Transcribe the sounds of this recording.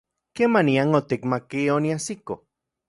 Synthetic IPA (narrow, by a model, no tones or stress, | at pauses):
kemaniaŋot̪ikmakioniasiko